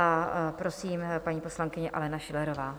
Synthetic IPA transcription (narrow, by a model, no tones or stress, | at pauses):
apɾo̞siːmpaɲiːpo̞slaŋkɪɲɛʔa̰lɛnaʃɪlɛɾo̞vaː